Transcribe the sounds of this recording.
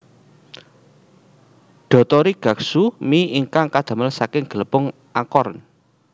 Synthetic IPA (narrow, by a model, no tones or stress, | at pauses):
ɖ̪̥ɔ̤t̪ɔɾiɡ̥ä̤ksumiiŋkaŋkad̪̥a̤məlsakɪŋɡ̥ələpʊŋ | ʔakɔrn